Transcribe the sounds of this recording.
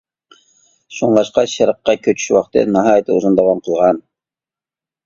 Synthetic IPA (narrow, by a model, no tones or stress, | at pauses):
ʃuŋlˠɑʃqɑʃɑɾqːɑkʲʰøt͡ʃʰy̥ʃwɑχt̪ɨ̰nɑɦɑːjɨt̪ʰɨuzund̪ɑwɑmqʰəlˠʁɑn